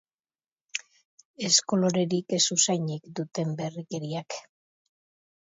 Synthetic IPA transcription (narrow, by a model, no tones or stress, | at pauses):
e̞sko̞lo̞ɾe̞ɾikesusajɲekd̪ut̪e̞mbe̞rike̞ɾiak